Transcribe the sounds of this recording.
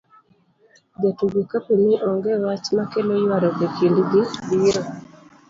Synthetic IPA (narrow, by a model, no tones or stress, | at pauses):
d͡ʒatuɡikapiniʔɔŋɡɛwat͡ʃmakelɔjwaɾɔɡekʰindiɡibiɾɔ